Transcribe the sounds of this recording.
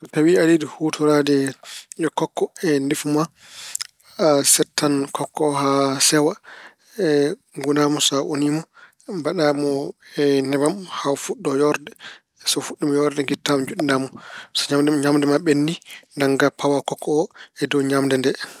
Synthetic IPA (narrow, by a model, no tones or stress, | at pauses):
ɔtawialidihutʰuɾadɛɔkɔkːɔɛndifuma | sɛtʰːankʰɔkːɔhasɛwa | ɛ | ŋɡunamɔsaʔo̰nimɔ | mbaɗamɔɛnɛbamhafuɗːɔjɔɾdɛ | sɔfuɗːimɔjɔɾdɛŋɡitːamɔd͡ʒuɗinamɔsaɲamdɛɲamdɛmaɓenːdindaŋɡapawakɔkʰːɔɔɛdɔwɲamdɛndɛ